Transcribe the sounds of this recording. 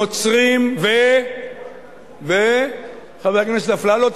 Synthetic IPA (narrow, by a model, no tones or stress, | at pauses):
ot͡sʁimve | ve | χavekimeʃt̪aflalot̪